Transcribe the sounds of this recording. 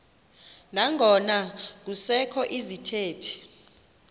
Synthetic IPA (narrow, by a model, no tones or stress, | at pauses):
naŋʱɔnak̬usɛkʰɔʔizitʰeːtʰi̥